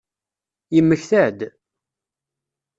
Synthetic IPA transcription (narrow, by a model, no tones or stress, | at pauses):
jəmːəçθæʕd̪